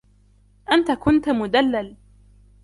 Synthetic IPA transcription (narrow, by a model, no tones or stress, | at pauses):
ʔant̪akʊnt̪mʊd̪alːal